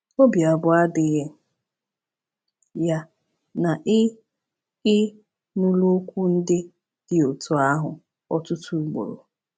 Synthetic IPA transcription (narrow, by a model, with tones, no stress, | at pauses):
o˦bja˨bʊ˨a˦dɪ˨ɣɪ˦ | ja˦ | na˨ʔɪ˦ | ɪ˦ | nu˦lo˦kʷu˦n̩˦dɪ˦ | d̥ɪ˨o˨tʰʊ˦a˦ɦʊ˨ | ɔ˦tʊ˦tu˦ɡ͡bo̰˨ɾo̰˨